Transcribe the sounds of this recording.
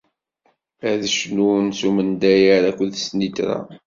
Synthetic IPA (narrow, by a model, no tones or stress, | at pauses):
æðəʃnunsumənd̪æjəɾækʷːəðsnit̪ɾa̰